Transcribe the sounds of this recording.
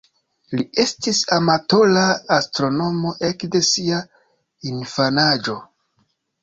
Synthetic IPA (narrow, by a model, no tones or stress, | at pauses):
lie̞stisamato̞laːstɾo̞no̞mo̞ʔe̞kde̞sia | infanad͡ʒo̞